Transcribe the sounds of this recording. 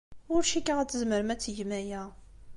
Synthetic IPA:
ʊɾʃikːaʁæt͡sːəzməɾəmæt͡sːʝmæjæ

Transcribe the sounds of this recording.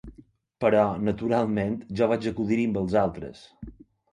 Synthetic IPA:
pəɾɔnət̪uɾalˠment̪ʒɔβad͡ʒəkuðiɾimbəlˠzalˠt̪ɾə̰s

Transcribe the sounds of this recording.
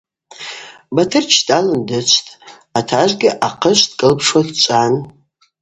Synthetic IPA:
batʰɨrt͡ʃʰtʼalɨndɨt͡ʃʷʰtʼ | atʰaʒʷɡʲɪʔaqʰəʃʷdkʼɨlpʰʂwadt͡ʃʷʼan

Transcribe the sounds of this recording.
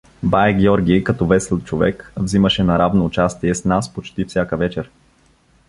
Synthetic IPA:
bajɡʲjɔɾɡʲikɐt̪ɔvɛsɛlˠt̪t͡ʃovɛkvziməʃɛnɐɾavnoːt͡ʃast̪iɛsnaspot͡ʃt̪ifsʲakəvɛt͡ʃɛɾ

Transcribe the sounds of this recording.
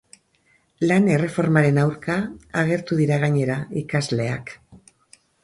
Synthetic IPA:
lane̞re̞fo̞ɾmaɾe̞nawɾkaaɣ̞e̞ɾt̪uðiɾaɣaɲe̞ɾaikazle̞a̰k

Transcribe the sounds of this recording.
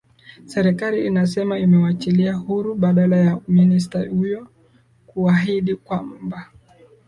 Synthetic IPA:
sɛɾɛkaliːnasɛmaimɛwat͡ʃiliahuɾuɓaɗalajauminis̬tahujɔ | kuaɦiɗikwamm̩ba

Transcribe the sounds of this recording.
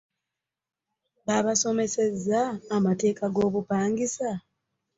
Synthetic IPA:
βaβaso̞me̞se̞zːaːmate̞ːkaɡo̞ːβupaːŋɡisa

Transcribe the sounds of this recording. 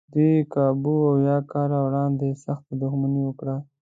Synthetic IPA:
d̪ikɑbuawjɑkɑɾawɽɑnd̪esaxt̪ad̪ʊxmaniwəkɽa

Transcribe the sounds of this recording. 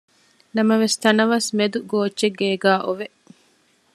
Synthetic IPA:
nɐmɐʋest̪ɐnɐʋɐsmed̪uɡoːt͡ʃeɡːeːɡæːʔoʋeʔ

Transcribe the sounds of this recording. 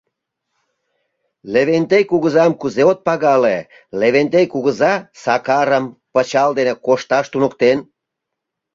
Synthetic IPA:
leβent̪ekuɣəzɑmkuzeot̪̚pɑɣɑle | leβent̪ekuɣəzɑsɑkɑɾəmpət͡ɕɑld̪enekoʃt̪ɑʃt̪unukt̪en

